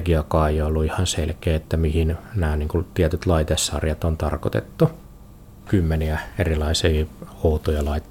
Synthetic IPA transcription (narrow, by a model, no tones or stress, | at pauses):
ɡiɑkɑːjolːuihɑnsḛlkeːet̪ːæmihinnæːniːŋkut̪iæt̪yt̪lɑit̪esːɑ̰rjɑt̪ont̪ɑ̰rko̰t̪ḛt̪ːu | kymːeniæerilɑisiːout̪ojɑlɑit